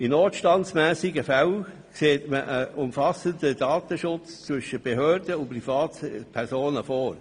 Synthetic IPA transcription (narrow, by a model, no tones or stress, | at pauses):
inoːtʃtɑntsmæːsɪɡəfæl | kseːtməʔəʔʊmfɑsəntədɑːt̪əʃʊt͡st͡sʋʏʃəb̥eɦøːɾdəʊnpɾifɑːtpʰɛɾsoːnəfoːɾ